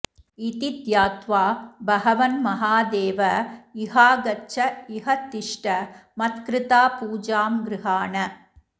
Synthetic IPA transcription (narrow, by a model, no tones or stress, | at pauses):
it̪id̪jaːt̪ʋaːbɐɣɐʋɐnmɐɦaːd̪eːʋɐɪɦaːɡɐt͡ʃːɐɪɦɐt̪ːɪʂʈɐmɐt̪kɾɪt̪aːpuːd͡ʒaːmɡɾɪɦaːɳɐ